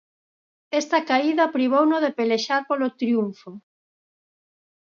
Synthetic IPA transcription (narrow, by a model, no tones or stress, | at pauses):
ɛst̪ɐkaiðɐpɾiβ̞ownoðepeleʃaɾpolot̪ɾjuɱfo